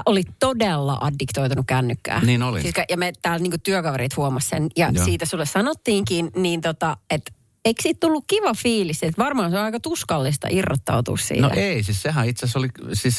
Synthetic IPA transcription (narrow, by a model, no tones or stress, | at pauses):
ʔolitt̪odelːɑ̰ʔɑdːikt̪oit̪unukkænːykːæ̰ːniːnolisiskɑjɑmet̪æːlniːŋkut̪t̪yøkɑʋeriːt̪huomɑssenjɑsiːt̪æsulːessɑnot̪ːiːŋkinniːnt̪ot̪ɑet̪ | eiksiːt̪t̪ulːukkiʋɑfiːlisːet̪ʋɑrmɑːnseoɑikɑt̪uskɑlːist̪ɑ̰ʔirːɑ̰t̪ːɑ̰ut̪ṵːssḭːno̰ʔeisissehæit̪sæsolisis